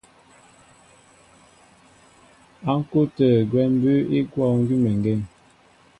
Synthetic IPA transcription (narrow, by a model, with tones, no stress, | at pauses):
a˨˦ŋ̩˦ko˦tə˨ɡwɛ˦m˦bʉ˦i˦kwɔ˦˨ŋ̩˦ɡi˦mɛ˨ŋ˨ɡɛ˦˨ŋ